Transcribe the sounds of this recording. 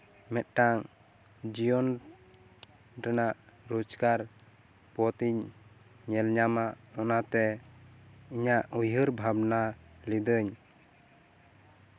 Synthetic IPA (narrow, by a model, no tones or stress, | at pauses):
mɛt̪̚ʈaŋ | d͡ʒijɔn | ɾɛnaʔɾud͡ʒkaɾ | pɔt̪iɲː | ɛlɲamaʔ | ɔnat̪ɛ | iɲaʔujɦəɾbʱabnalid̪əɲ